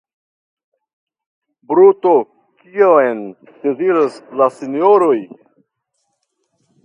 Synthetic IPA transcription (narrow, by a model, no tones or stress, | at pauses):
bɾuto | kiaen | d̥e̞ziɾaslasinjoɾoj